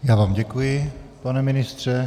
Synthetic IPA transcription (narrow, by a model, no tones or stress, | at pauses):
jaːvaːmɟɛkujɪpanɛmɪnɪst̪r̝̥ɛ